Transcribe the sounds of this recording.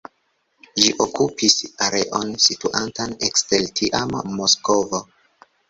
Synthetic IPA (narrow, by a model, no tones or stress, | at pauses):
d͡ʒiʔokupisaɾe̞̰ʔonsituʔantaneksteltʰiʔamːosko̞vo